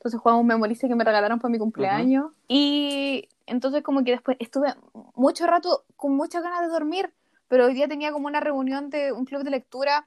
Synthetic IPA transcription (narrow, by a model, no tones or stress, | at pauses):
t̪o̞ns̬exwamumːemoɾisekemereɣalaɾompomikumpleaɲos | i | ḛnt̪ons̬eekomok̬eðehpwesʔest̪uβe | mut͡ʃorat̪okonmut͡ʃaɣanaðeðo̞ɾmiɾ | pe̞ɾoojðiat̪e̞niakomounare̞unjo̞nd̪euŋkluβðele̞k̚t̪uɾa